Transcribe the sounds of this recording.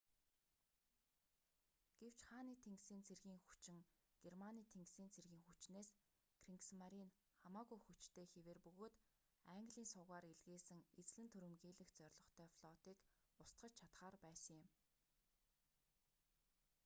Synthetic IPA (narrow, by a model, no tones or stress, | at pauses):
ɡ̥ew̥t͡ɕχaːniːt̪ʰeŋɡsiːnt͡sʰerɣiːŋxu̥t͡ɕɪ̆ŋɡ̥ermaniːt̪ʰeŋksiːnt͡sʰerɣiːŋxut͡ɕneːs | kʰriŋksmaɾiːn | χamaːɣujxut͡ɕt̪ʰeːxeweːrpɵɣoːt̪ | æŋɡɮiːnsʊɣaːɾeɮɣeːsɘ̆ŋet͡s̆ɮɘ̆nt̪ʰɵɾɵ̆mɣiːɮɘ̆xt͡sœrʲɮɞ̆χt̪ʰœːfɮ̥ɔt̪iːkʊst̪ɢə̆t͡ɕt͡ɕʰat̪χaːrpæːsə̆ŋjɪ̆m